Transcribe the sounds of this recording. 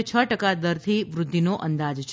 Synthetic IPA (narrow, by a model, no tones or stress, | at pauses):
t͡ʃʰəʈəkad̪əɾt̪ʰiʋɾʊd̪ʱːinoʔənd̪ad͡ʒt͡ʃʰ